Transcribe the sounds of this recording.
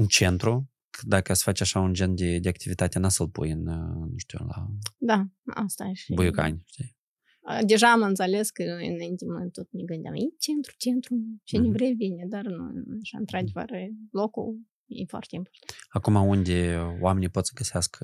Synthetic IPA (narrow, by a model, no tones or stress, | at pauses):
ɨnt͡ʃe̞nt̪ɾu | d̪akəsfat͡ʃaʃaund͡ʒend̪ʲed̪ʲeakt̪ivit̪at̪ʲenasəlpṵjɨnnːuʃt̪ʲṵla̰d̪aa̰st̪aʃibujuka̰nʲʃt̪i | əd̪eʒaːmɨnt̪selʲe̞skəɨ̰najint̪ʲemət̪ot̪̚nʲeɡɨnd̪ʲa̰m̰jit͡ʃent̪ɾu̥t͡ʃent̪ɾut͡ʃenevɾevʲinʲed̪arnṵaʃaɨ̰nt̪ɾad̪ʲevə̰rlo̞kṵl | jḛfwa̰rt̪ʲeimport̪anakumaund̪ʲeowamʲenijpo̞t̪sə̥ɡəseaskə